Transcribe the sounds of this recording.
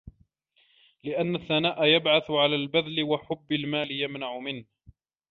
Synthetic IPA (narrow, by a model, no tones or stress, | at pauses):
lɪʔanːaθːanaːʔajabʕaθʊʕalaːlbaðlɪwaħʊbːalmaːlɪjamnaʕʊmɪnh